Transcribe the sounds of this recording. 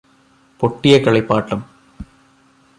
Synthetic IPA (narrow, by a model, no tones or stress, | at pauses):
poʈːijɐkɐɭipːaːʈːɐm